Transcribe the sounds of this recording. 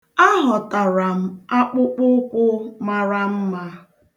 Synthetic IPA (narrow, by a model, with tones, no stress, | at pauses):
a˦ɦɔ˨ta˨ɾa˨m̩˨a˦k͡pʊ˦k͡pʊ˦kʷʊ˦ma˦˨ɾa˦m̩˦ma˦